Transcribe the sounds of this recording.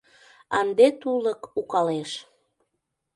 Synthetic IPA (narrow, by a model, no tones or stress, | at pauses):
ɑnd̪et̪uləkukɑleʃ